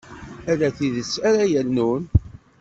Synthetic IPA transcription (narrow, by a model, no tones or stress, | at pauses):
æðæθiðəsːæɾæjəlnun